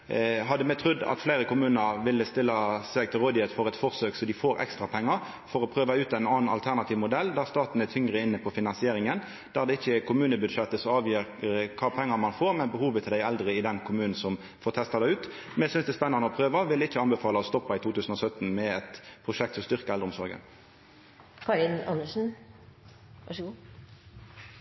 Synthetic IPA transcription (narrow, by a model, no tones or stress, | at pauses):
ɦɑd̪ːəmɛt̪ʰɾʉd̪ːɑ̰t̪fleɪɾəkʊmʉːnəɾʋɪlːəst̪ɪlːɑsɛɡ̚t̪ʰɪlɾoːd̪ɪheːt̪fɔɾɛt̪fɔʁsøːksɔd̪ɪfoːɾʔɛ̰kst̪ɾɑpʰɛŋːɑɾ | fɔɾɔpʰʁøːʋɑʉːt̪æɪnɑːnɑ̰lt̪ʰæʁnɑt̪ʰiːʋmʊd̪ɛlːd̪æʁst̪ɑːt̪n̩æt̪ʰʏŋɾəɪnːəpʰɔfɪnɑnsɪeːɾɪŋən | d̪̥æʁd̪ɛɪçːəkʰʊmʉːnəbʉd̪ʂɛt̪ːəsɔɑːʋjiːɾəkʰɑːpʰɛŋːɑmɑnfoːʁmɛnbəhuːʋət̪ʰɪld̪æɪɛld̪ʁəɪd̪ɛnkʰʊmʉːnn̩sɔm | foːʁt̪ʰɛst̪ɑd̪æʉːt̪ | mɛsʏnsd̪ɛːspɛnːɑnəɔpʰʁøːʋɑʋɪlɪçːəɑnbəfɑːlɑɔst̪ɔpːɑɪt̪ʰuːt̪ʰʉːsn̩ɔsœt̪ːn̩mɛɛt̪pʰʁʊʂɛk̚t̪sɔmst̪ʏʁkəʁɛləʊmsɔɾɡə̰n | kʰɑɪnɑ̰nəʂn̩ | ʋɑʂəɡuː